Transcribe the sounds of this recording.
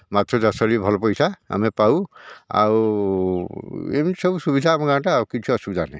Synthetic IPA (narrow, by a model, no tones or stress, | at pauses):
mat̪ɾɔzasɔɹibʱɔlɔpɔjsaa̰mepawa̰ | ḛmisɔbusubid̪ʱaːmɔɡaʈaːukit͡ʃʰuɔsubd͡ʒane